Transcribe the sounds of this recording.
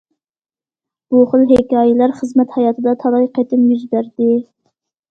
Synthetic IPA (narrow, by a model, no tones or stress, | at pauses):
b̥uχəlˠɦekʲɑːjɪlæɾχəzmɛt̪hɑjɑːt̪ʰɨd̪ɑt̪ʰɑlˠɑjqʰɛt̪ʰɪmjyzbæɾd̪ɪ